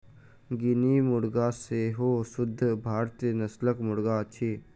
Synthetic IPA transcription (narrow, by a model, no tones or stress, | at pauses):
ɡɪnimʊɽɡaseɦoːsʊd̪ʱːbʱaːɾt̪inəsləkmʊɽɡat͡ʃʰiː